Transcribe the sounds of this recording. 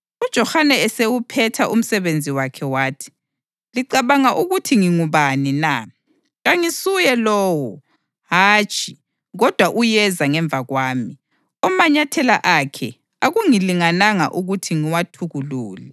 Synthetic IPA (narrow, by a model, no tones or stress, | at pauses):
ud̥ʒ̥ʱɔhanɛɛsewupʰɛtʰaʔum̩sɛβend͡zʱiwakʰɛwaːtʰi̥ | liǀaβaŋaʔuɣutʰiŋiŋuβanina | ɣaŋisujɛlɔːwɔ | ɦaːt͡ʃʼʰi | ɣɔd̥ʱwaʔujɛzaŋɛɱb̪vʱaɣwaːmi | ɔmaɲatʰɛlaʔakʰɛ̰ | aɣuŋiliŋanaŋa̰ʔuɣutʰiŋiwatʰuɣuluːli